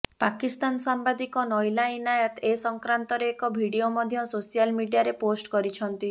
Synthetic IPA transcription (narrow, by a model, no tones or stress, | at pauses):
pakist̪ansambad̪ikɔnɔjlainajɔt̪esɔŋkɾant̪ɔɾeːkɔbʱiɽiomɔd̪ʱjɔsosijalmiɽijaɾeposʈkɔɾit͡ʃʰɔnt̪i